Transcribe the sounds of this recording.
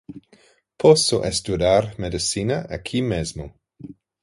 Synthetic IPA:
pʰosoʔɛstudaɾmɛdɪsiːnəəkʰiːmɛzmo

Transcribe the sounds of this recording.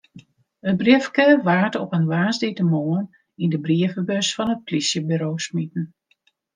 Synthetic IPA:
əbrɪəfkəʋaːtɔpənʋaːsditəmoːən | indəbriəvəbøsfɑnət̚plisjəbyɾoːsmitn̩

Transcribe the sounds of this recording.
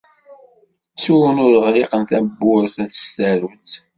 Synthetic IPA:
t͡sːunʊɾəʁɾiqənθæbːʊɾsæθə̥st̪æɾut͡s

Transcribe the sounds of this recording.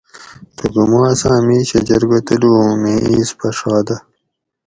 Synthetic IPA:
t̪ʰuɡumuɐsãːmiːɕed͡ʑɐɾɡot̪ɐlumẽiːspɐʂaːd̪ɐ

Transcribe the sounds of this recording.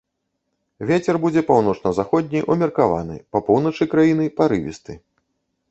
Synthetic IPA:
vʲet͡sʲɛrbud͡zʲɛpawnɔt͡ʂnɐzaxɔd̪ʲnʲijʔumʲɛrkava̰nɨ̰pɐpɔwnɐt͡ʂɨkɾajinɨpaɾɨvʲḭst̪ɨ

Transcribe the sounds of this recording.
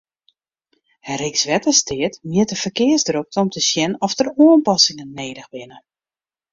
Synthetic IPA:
əriksʋɛtəstɪətmiətəfərkɪərzdrok̚tɔmtəsjɛnɔftəruənpɔsɪŋənːeːdəxbɪnə

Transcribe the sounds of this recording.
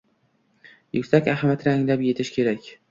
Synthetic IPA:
jʊ̰kʲsakʲahamat̪ʰɾaːŋlapje̞t̪ʰɪʃkʲʰe̞ɾakʲ

